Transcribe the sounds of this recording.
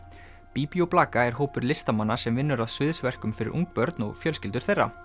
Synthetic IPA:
piːpiowplaːkaɛɾ̥ɦoːwpʏɾlɪst̪amanːasɛmvɪnːʏɾaðsɪðsvɛr̥kʏmfɪɾɪ̰ɾṵŋk̚pœɾt̪nɔ̰ɣfjœlscɪlt̪ʏ̥ɾ̥θejrːa̰

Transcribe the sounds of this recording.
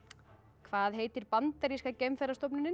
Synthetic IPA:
kʰvaːðɦeːjt̪ɪɾpant̪aɾiskacejmfɛɾast̪ɔwp̬nɪnɪ

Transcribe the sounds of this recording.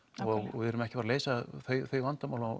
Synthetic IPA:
ɔɣɔɣvɪðɛɾʏmɛhcɪpaɾaleːjsaθœɥθœɥjvant̪amawla

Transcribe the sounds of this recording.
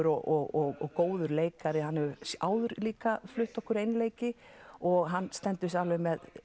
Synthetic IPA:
ʏɾɔɔɣɔɣɔkoːwðʏɾleːjkaɾɪhɦanːɛʏa̰ːwðʏɾliːkaflʏht̪ɔhkʏɾejnleːjcɪ | ɔɣɦanːst̪ɛnt̪ʏs̬awlɛvʏmɛð

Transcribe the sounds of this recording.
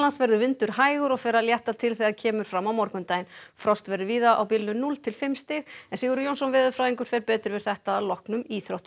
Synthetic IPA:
lansvɛɾðʏvɪnt̪ʏɾ̥haːjɣʏɾɔɣfɛːɾaljɛht̪at̪ʰɪlθɛɣacʰɛːmʏɾ̥fɾamːawmɔɾkʏmt̪aːjnfɾɔst̪vɛɾðʏviːðaʔa̰wpiːlɪnʏnult̪ʰɪlfɪmst̪ɪɣɛnsɪːɣʏɾʏjownsɔnvɪːðʏfɾaːðiŋkʏɾ̥fɛːɾpɛːt̪ɾɪɾvɪɾ̥θɛht̪aðalɔhknʏmiːθɾowht̪

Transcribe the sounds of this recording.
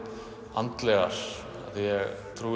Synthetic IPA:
ant̪lɛɣa̰ɾ̥ | a̰ðjɛɣt̪ʰɾuː

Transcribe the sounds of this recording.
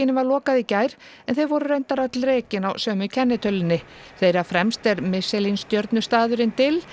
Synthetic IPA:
ɪnːɪvaɾlɔːkaðicaːjɾ̥ | ɛnθejvɔɾʏrejnt̪aɾat̪lɾɛːcɪnawsœːmʏcʰɛnːɪt̪ʰœlːɪnːɪ | θejɾafɾɛmst̪ɛɾmɪsɛlinst̪jœɾt̪nʏst̪aːðʏɾɪnt̪ʰɪl

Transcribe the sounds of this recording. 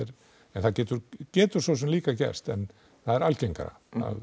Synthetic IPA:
ɪɾ | ɛnθaðcɛːt̪ʏɾcɛːt̪ʏɾ̥sos̬ɛmliːkacɛ̰st̪ɛn | θaðɛɾalcejŋka̰ɾa̰ | a̰ð

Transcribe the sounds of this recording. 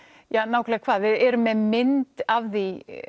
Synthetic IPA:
janaːwkʰlaɣkʰvaːðvɪðɛɾʏmːɛðmɪnt̪avði

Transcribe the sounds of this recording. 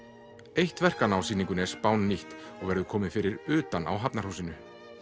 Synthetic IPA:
ejht̪vɛr̥kanawsiːnĩŋkʏnɛspaːwnːiht̪ɔɣvɛɾðʏkʰɔːmɪnfɪɾɪɾʏːt̪ana̰wɦapnaɾhuwsɪnʏ

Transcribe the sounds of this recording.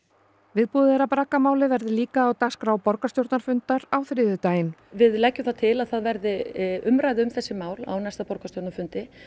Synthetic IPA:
vɪðpuðɛɾapɾaːkamaːwlɪvɛɾðɪliːkaːwt̪askɾaːwpɔɾkast̪jowɾt̪naɾfʏnt̪aɾawθɾɪːðʏt̪aːjɪnvɪðlɛcːʏmθat̪ʰɪlaðθaðvɛɾðɪʏmɾaːjðɪʏmθɛsːɪmaːwla̰wnajst̪apɔɾkast̪owɾt̪naɾfʏnt̪ɪ

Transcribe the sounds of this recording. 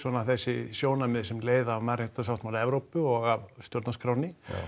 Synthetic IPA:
svɔnaθɛsːɪsjoːwnamɪðsɛmleːjðaːvmaɾrɪt̪asawt̪malɛvɾowpʏɔɣavst̪jɔɾt̪naskɾawnɪ

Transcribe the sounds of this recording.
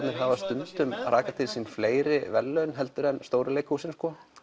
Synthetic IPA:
t̪nɪɾ̥ɦavast̪ʏnt̪ʏmrʔaːkat̪ʰɪlsinfleːjɾɪvɛ̰lːœɥnɦɛl̪t̪ʏɾɛnst̪oːwɾɪlejkhusɪnskɔ

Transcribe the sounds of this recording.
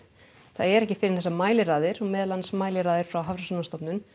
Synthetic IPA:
θaðɛɾɛhcɪfɪɾɪɾ̥θɛsːamaːjlɪɾaːðɪɾɔɣmɛːðlansmaːjlɪɾaːðɪɾ̥fɾawɦavɾasɔnast̪ɔpnʏm

